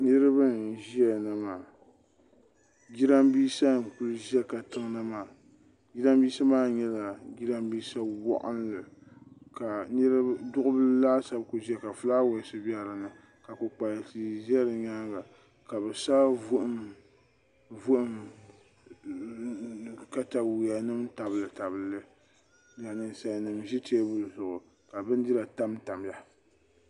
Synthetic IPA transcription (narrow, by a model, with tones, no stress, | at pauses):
nɨ˦ɾɨ˦bɨ˦n˨ʒi˦ɛ˨nɨ˨maː˨ | ɡʲi˦ɾa˦mbiː˦sa˦˨ku˦lɨ˦ʒɛ˦ka˨tɨ˦ŋna˦maː˨ | ɡi˦ɾa˦mbiː˦sa˦maː˦˨ɲɛ˦la˨ɡi˦ɾa˦mbiː˦sa˦wɔ̰˦ʔʊ̰˦n˦lɨ˨ka˨nɨ˦ɾɨ˦dʊ˦ʔʊ˦bɨ˦laː˦sa˦bkʊ˨ʒi˦ɛ˦˨ka˨fɨ˦laː˦wɛ˨sɨ˦bi˦a˦˨lɨ˨nɨ˨ | ka˨ku˨k͡pa˨ti˨ʒɛ˦ɾɨ˨ɲa˦ŋɡa˨ | ka˨bɨ˨saː˦vu˦ʔɨ˦m | vu˦ʔɨ˦m | ka˦ta˨wi˨ja˨nɨ˦mta˨bɨ˨lɨ˨ta˨bɨ˨lɨ˦ | la˨nɨ˨sa˦˨nɨ˨mʒi˦teː˦bɨ˦˨zʊ˨ʔʊ˨ | ka˨bɨ˦n˦dɪ˦la˨ta˦mta˨m˦a˨